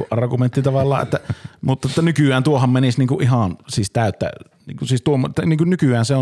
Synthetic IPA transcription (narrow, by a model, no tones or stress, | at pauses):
kuʔʔɑrɡument̪ːit̪ɑʋɑlːˑɑ̰ːʔḛt̪ːæmut̪ːɑet̪ːænykyˑæːnt̪uohommenisniːŋkuʔʔihɑnsiːˑst̪æˑøt̪ːæ̰ | nḭːŋkusiːst̪uomːot̪ːniːŋkunnykyæːnseo